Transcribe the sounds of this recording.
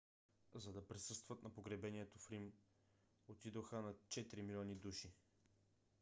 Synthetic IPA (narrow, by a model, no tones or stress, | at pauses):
zɐd̪ɐpɾisɤst̪vət̪nɐpoɡɾɛbɛniɛt̪ofɾim | ot̪id̪oxənɐt͡ʃɛt̪ɾimilʲɔnid̪uʃi